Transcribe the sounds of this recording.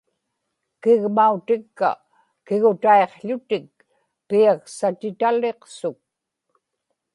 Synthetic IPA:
kɪɣmaut̪ɪkːa̰ | kɪɣʊt̪aeqʎʊt̪ɪk̚ | piaksat̪ɪt̪aleqsʊk̚

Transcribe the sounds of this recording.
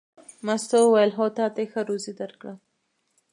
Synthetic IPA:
mast̪owajəlɦot̪ɑt̪exəɾozid̪aɾkɽa

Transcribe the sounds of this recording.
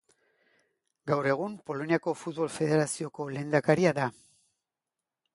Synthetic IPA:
ɡawɾe̞ɣ̞umpo̞lo̞niako̞fut̪̚βo̞lfe̞ðe̞ɾasio̞ko̞le̞ːnd̪akaɾiaða

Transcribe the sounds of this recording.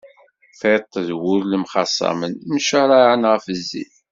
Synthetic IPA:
fet̪ˤːəðwʊɾləmχɑsˤːɑ̰mənmʃaɾˤaʕənʁəfəzːḭl

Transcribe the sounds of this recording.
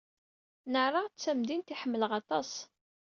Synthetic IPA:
nəʕrˤɑʁt͡sːæmd̪int̪iħəmːələʁɑt̪ˤɑs

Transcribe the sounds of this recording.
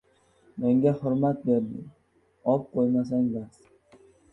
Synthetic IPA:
meŋɡʲahʊɾmat̪̚beɾd̪ɪ̰ | ɒp̚qʰojmas̬aŋbas

